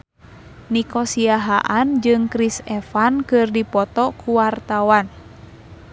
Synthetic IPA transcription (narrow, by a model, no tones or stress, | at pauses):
nikɔsiaɦaʔand͡ʒɨŋkɾisɛfankɨrdipɔt̪ɔkʰuwart̪awan